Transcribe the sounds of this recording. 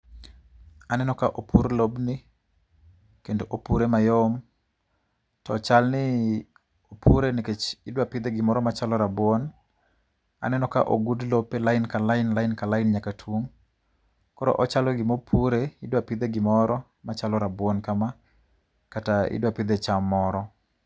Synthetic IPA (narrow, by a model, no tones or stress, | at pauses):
anɛnɔkaʔopʰuɾlobnɪ | kendoʔopuɾemajom | tɔt͡ʃalnɪ | opʰuɾeniket͡ʃɪdwapid̪eɡɪmɔɾɔmat͡ʃalɔɾabwɔn | a̰nɛnɔka̰ʔoɡudlopːelaɪnkalaɪnlaɪnkalaɪnɲakatʰwoŋ | kɔɾɔ̰ʔɔt͡ʃalɔɡɪmopʰuɾeɪdwapid̪eɡɪmɔɾɔ | mat͡ʃalɔɾabwɔnkama | kataɪ̰dwapid̪et͡ʃamɔɾɔ